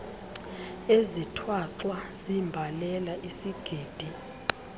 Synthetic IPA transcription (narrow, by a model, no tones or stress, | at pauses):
ezitʰwaǀwazimbʱalɛlaʔisiɡ̥ʱiːd̥ʱi